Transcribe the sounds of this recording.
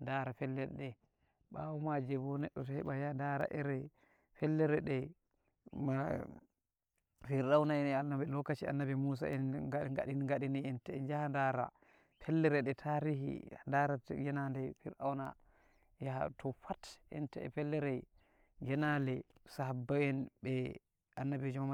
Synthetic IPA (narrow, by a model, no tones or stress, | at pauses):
ndaɾafɛlːɛɾɛɗɛ | ɓawɔmad͡ʒɛbɔnɛɗːɔtɔhɛɓajandaɾa̰ʔɛɾɛ | fɛlːɛɾɛɗɛ | ma | fiɾɗawnaɛnɛanabɛlɔkːat͡ʃia̰nːabimus̬a̰ɛnɡaɡaɗinŋɡaɗiniɛntɛɛnd͡ʒahandaɾa̰ | pʰɛlːɛɾɛɗɛtʰaɾiɦḭandaɾaɡɛnandɛfiɾɗa̰wna | jahatʰɔfatɛ̰ntɛɛ̰fɛlːɛɾɛ | ɡɛnalɛsaɦabːaɛnbɛ | anːabid͡ʒumama